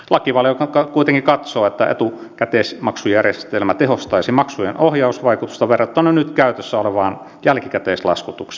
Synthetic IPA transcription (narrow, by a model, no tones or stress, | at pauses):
lɑkiʋɑljokɑkɑkuit̪eŋkikɑt̪soːet̪ːæ̰ḛt̪u | kæt̪eːsmɑksujærjest̪elmæt̪ehost̪ɑisimɑksujenʔohjɑusʋɑikut̪u̥st̪ɑʋerːɑt̪ːɑnønyt̪kæyt̪øsːæoleʋɑːn | jælkikæt̪eːslɑ̰skut̪ukse̥